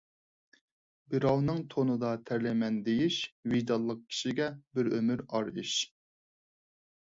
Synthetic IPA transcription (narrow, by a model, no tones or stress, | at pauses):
bɪɾɑwnɨŋt̪ʰonɨd̪ɑt̪ʰæɾlɛmɛnd̪ejiʃvijd̪ɑlˠːəq̚kʲʰi̥ʃiɡʲɛbɪɾømyɾɑɾiʃ